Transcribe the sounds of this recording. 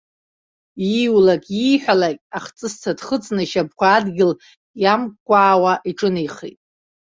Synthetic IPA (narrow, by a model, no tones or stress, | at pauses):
iwlakʲʼijħʷᶣalakʲʼaχt͡sʼɨst͡sʰadχət͡sʼnɨʃab̚kʷʰaːdɡʲɪl | jamkʷʼaːwaʔiʈ͡ʂʼɨnijχḛtʼ